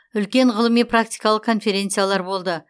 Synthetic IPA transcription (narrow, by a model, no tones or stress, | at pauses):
ʏlkʲe̞ɴʁəlˠəmijprak̚t̪ijkalˠəqkʰːo̞nfeɾʲe̞nt̪sɨjalˠɑɾbo̞lˠd̪ə